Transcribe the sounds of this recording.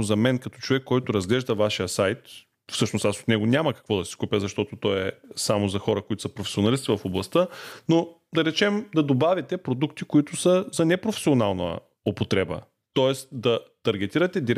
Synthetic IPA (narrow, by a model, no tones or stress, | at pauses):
zɐmɛnkɐt̪ɔ̥t͡ʃovɛkːɔjt̪ʊɾɐzɡlɛʒd̪əvaʃijəsajt̪ | fsɤʃnoʊst̪aso̥t̪nɛɡʊnʲaməkɐ̥kvɔd̪ɐsi̥kupʲəzɐʃt̪ɔt̪ot̪ɔɛsamozɐxɔɾəkoʊit̪ʊsəpɾofɛ̥sionɐlist̪ivɐfoblˠɐst̪əno | d̪ɐɾɛt͡ʃɛmd̪ɐd̪obavʲit̪ɛpɾod̪ukt̪ikoit̪ʊsəzɐnɛpɾofɛ̥sʲionalˠnə̰ | opot̪ɾɛbə̰ | t̪ɔɛst̪d̪ɐt̪ɐɾɡ̟ɛt̪iɾət̪ɛd̪iɾ